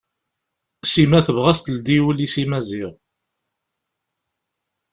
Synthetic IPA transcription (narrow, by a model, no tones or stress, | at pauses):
simæθəvʁæst̪əld̪iwəlisimæzɪʁ